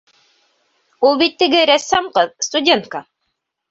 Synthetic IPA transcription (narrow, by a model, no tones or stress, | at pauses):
ulˠbit̪ːɘ̆ɡɘɾæsːæmqɤðst̪udʲent̪̚ka